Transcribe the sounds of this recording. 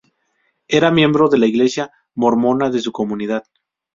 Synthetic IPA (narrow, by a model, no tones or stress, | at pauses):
e̞ɾamjẽ̞mbɾo̞ðe̞laiɣle̞sja | mo̞ɾmo̞naðe̞suko̞muniðað